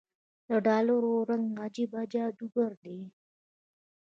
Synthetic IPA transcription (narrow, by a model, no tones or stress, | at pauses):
d̪əɖɑloɾoɾaŋɡad͡ʒibad͡ʒɑd̪uɡəɾd̪e